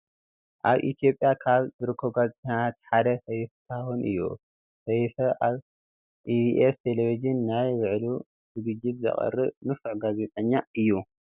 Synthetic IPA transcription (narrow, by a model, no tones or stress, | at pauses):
ʔaβʔḭt̪ʰijo̞pʼjakʰaβzɨɾɨkʰːɐβɡazt̪ʰɐat̪ħad̪ɐsɐjft̪ʰawunʔɨ̰jːṵ | sɐjfɐʔaβ | ʔiiʔest̪ʰelevid͡ʒinːajβɨʕlu | zɨɡɨd͡ʒːit̪zɐ̰χʼɐ̰rːɨnɨfɨʕɡaze̞t̪ʼɐɲːaɨjːu